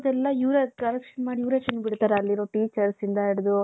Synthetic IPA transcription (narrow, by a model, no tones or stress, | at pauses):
d̪ɛlːɐuɾekɐɾɛkʂɐnmaːɽiuːɾet͡ʃɐnːbiɽt̪aːɾeɐlːiɾoːʈiːt͡ʃɐɾsind̪ɐiɽɐd̪u